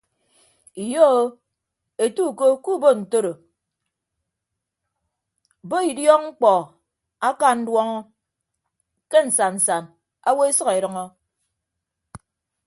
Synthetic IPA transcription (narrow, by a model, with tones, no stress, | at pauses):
i˨jo˦o˦ | e˨tu˦˨ko˦ku˦bo˦n̩˨to˦ɾo˨ | bo˦i˨djɔ˦ŋ͡m̩˦k͡pɔ˨ | a˦ka˦˨n̩˦dwɔ˦ŋɔ˦ | ke˦n̩˨sa˨nn̩˨sa˨n | a˦wo˦e˦sʌ˦ke˨ɾʌ˨˦ŋɔ˦